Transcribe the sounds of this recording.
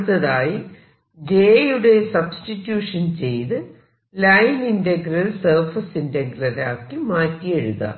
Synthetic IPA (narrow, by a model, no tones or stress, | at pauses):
t̪ːɐðaːji | d͡ʑeːjuɽe̞sɐbstitːjuːʂɐnt͡ɕe̞jt̪ɨ | lɐjnindɐɡɾɐlsɐrfɐsindɐɡrɐlaːkːɨmaːtːijeɻuðɐ̰